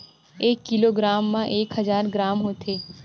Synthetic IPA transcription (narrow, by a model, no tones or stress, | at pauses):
eːkːɪloɡɾaːmːãʔeːkɦəzaːɾɡɾaːmɦoːt̪ʰeː